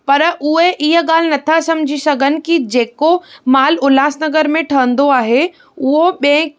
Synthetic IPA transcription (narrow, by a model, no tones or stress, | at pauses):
pɐɾʔʊɦeʔɪɦə̆ɠaːl̤ɪnɐt̪ʰasɐ̃md͡ʑʱisɐɡʱənɪ̆kid͡ʑeːkomaːlʊlaːsnɐɡəɾmẽʈʰɐɦə̃nd̪oaːɦe | ʊɦoɓẽ